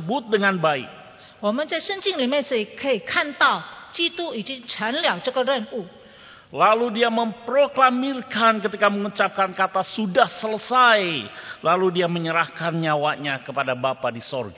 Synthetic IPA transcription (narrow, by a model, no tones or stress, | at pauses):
əbʊt̪̚dəŋanbaɪ̰k̚ | wamənt͡ʃasənt͡ʃiŋlimɛsəjkʰəjkʰant̪at͡ʃit̪uit͡ʃit͡ʃʰanliawt͡ʃəkəɾənu | laludiaməmpɾoklamirkankət̪ikaməŋut͡ʃap̚kankat̪asudahsələsajlaludiaməɲəɾahkanɲawaɲakəpadabapadisɔrɡa